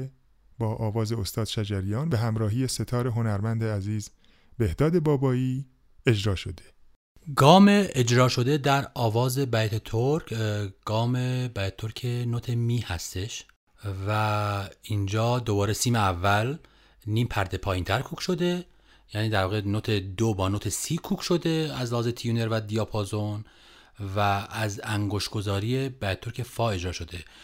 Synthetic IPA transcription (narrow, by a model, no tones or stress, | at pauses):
bɒːʔɒːvɒːze̞ost̪ɒːd̪ʃæd͡ʒæɾijɒːnbeɦæmɾɒːɦiːjese̞t̪ʰɒːɾeɦo̞næɾmænd̪eæziːz | be̞hd̪ɒːd̪e̞bɒːbɒːiː | e̞d͡ʒɾɒːʃo̞d̪e | ɡɒːme̞ed͡ʒɾɒːʃo̞d̪e̞d̪æɾɒːvɒːze̞bæjt̪ʰet̪ʰoɾkʰɡ̥ɒːmebæjt̪t̪ʰoɾkʰenot̪ʰemiːhæ̰st̪e̞ʃ | væind͡ʒɒːd̪o̞bɒːɾesiːmeævːæl | niːmpʰæɾd̪e̞pʰɒːjint̪ʰæɾkʰuːkʃo̞d̪e̞ | jæːniːd̪æɾvɒːɣenot̪ʰed̪obɒːnot̪ʰesiːkʰuːkʰʃo̞d̪e̞æzlhɒːzet̪ʰijune̞ɾvæd̪ijɑpʰozo̞n | væːzæŋɡoʃɡ̥o̞zɒːɾiːje̞bæjt̪et̪oɾcʰe̞fɒːe̞d͡ʒɾɒːʃo̞d̪e̞